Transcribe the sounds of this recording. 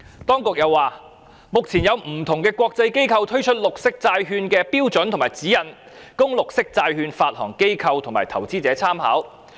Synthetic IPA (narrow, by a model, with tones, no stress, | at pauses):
t̪ɔː˥ŋkʊ˨k̚jɐ˨˧wːaː˨˩ | mʊ˨k̚t͡sʰiː˨˩njɐ˨˧wm̩˨˩t̪ʰʊ˨˩ŋkɛː˧kʷɔː˧k̚t͡sɐ˧jke˥jkʰɐ˧wt̪ʰɵ˥ɥt͡ʃʰɵ˥t̚lʊ˨k̚sɪ˥k̚t͡saː˧jɦyː˧nkɛː˧piː˥wt͡sɵ˨˥nt̪ʰʊ˨ŋmaː˨˩jt͡siː˨˥jɐ˨˩n | kʊ˥ŋlʊ˨k̚sɪ˥k̚t͡saː˧jhyː˧nfaː˧t̚hɔː˨˩ŋke˥jkʰɐ˧wt̪ʰʊ˨˩ŋmaː˨˩jt̪ʰɐ˨˩wt͡siː˥t͡sɛː˨˧˥t͡sʰaː˥mha̰ː˨˥w